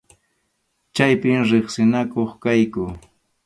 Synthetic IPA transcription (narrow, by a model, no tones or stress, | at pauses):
t͡ʃajpɪmɾɪχsɪnakoχkajkʊ